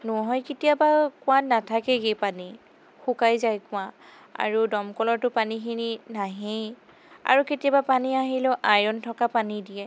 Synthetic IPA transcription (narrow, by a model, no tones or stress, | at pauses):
nɔɦɔjketijabakʊ̃wãnatʰakɛɡejpani | xukajzajkʊ̃wã | a̰ɹudɔmkɔlɔɹtʊpanikʰininaɦej | a̰ɹuketijabapaniaɦilɛʔajɔntʰɔkapanidijɛ